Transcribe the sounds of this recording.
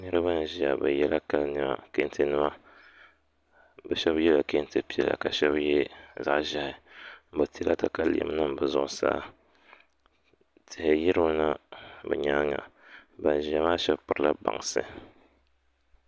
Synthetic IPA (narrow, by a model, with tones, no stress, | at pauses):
nɨ˦ɾɨ˦ba˦n˨ʒi˨a˨bɛ˨jɛ˦la˦ka˦lnɨ˦ma̰˨ke˦n˦tʰɨ˦nɨ˦ma˦ | bɛ˨ʃɛ˦bjɛ˦la˨ke˦ntɨ˦pi˦ɛ˨la̰˨ka˨ʃɛ˦bjɛ˦za̰˦˨ʔʒa˨hɪ˨˦bɨ˨ti˦la˦ta˦ka˨li˨ɛ̰˨m˦nɨ˦m˨bɨ˨zʊ˦˨ʔʊ˨sa̰ː˦ | tʰɪ˨hɪ˨ji˦ɾɨ˦na˦bɛ̰˨ɲaː˦ŋa̰˨ba˨n˨ʒi˨a˨maː˦ʃɛ˦bpʊ˨ɾla˦ba̰˨ŋsɨ˦